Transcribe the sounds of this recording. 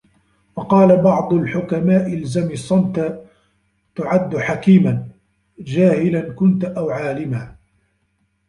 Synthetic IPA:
wɑqɑːlabɑʕd̪ˤʊlħʊkamaːʔɪlzamɪsˤɑnt̪a | t̪ʊʕad̪ːʊħakiːman | d͡ʒaːhɪlankʊnt̪ʔawʕaːlɪmaː

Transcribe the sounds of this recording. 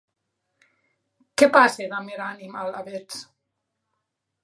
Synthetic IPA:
kepaseðameɾanimalaβet͡s

